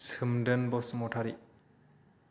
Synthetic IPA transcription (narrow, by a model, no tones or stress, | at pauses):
sʰɯmdɯnbɔsmɔʈʰaɾi